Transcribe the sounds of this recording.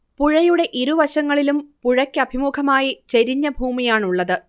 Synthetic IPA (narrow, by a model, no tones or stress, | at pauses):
puɻɐjuɽe̞ʔiɾuʋɐɕɐŋːɐɭilumpuɻɐkʲːɨɐbʱimuːkʰɐmaːjit͡ɕeɾiɲːɐbʱuːmijaːɳuɭːɐðɨ